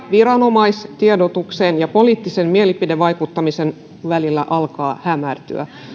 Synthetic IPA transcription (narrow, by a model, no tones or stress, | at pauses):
ʋiɾɑno̞mɑist̪iedot̪ukseːnjɑpo̞liːt̪ːisemmielipideʋːɑjkut̪ːɑmisen | ʋælilːæ̰ʔɑlkɑːhæmært̪y̰æ̰